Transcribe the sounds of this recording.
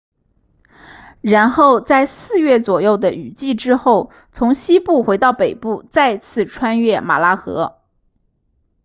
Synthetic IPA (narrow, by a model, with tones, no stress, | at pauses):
ɻa˧˥nxo˥˧ʊt͡sa˥˧ɪsɹ̩˥˧ɥɛ˥˩t͡swɔ˨˩jo˥˩ʊd̪ə˩ʔy˨˩t͡ɕi˥˩ʈ͡ʂɻ̩˥xo˥˩ʊ | t͡sʰʊ˧˥ŋɕi˥pu˥˩xwe˧˥ɪt̪ɑ˥˩ʊpe˨˩ɪpu˥˧t͡sa˥˧ɪt͡sʰɹ̩˥˩ʈ͡ʂʰwa˥nɥɛ˥˩ma̰˨˩la˥xɤ̰˧˥